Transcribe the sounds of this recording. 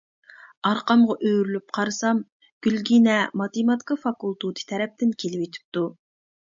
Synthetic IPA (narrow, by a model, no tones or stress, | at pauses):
ɑɾqɑmʁɑʔøjɾylyp̚qʰɑɾɨsɑm | ɡ̥ʲylɡʲinɛmɑt̪emɑt̪i̥kɑfɑkulˠt̪ut̪ʰi̥t̪ʰɛɾɛp̚t̪ɪnkʲʰelɪwet̪ʰy̥p̚t̪u